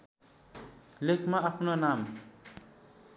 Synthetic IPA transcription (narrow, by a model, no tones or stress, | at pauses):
lekʰmaapʰnonam